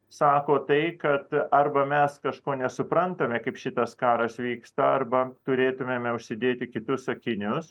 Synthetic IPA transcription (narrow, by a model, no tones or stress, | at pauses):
sɑːkoːt̪ɐɪkɐt̪ɐrbɐmʲɛskɐʃkoːnʲɛsʊpɾɐnt̪ɐmʲɛkɐɪpʃʲɪt̪ɐskɑːɾɐsʋʲiːkst̪ɐɐrbɐt̪ʊɾʲeːt̪ʊmʲeːmʲɛʊʃʲsʲɪd̪ʲeːt̪ʲɪkʲɪt̪ʊsɐkʲɪnʲʊs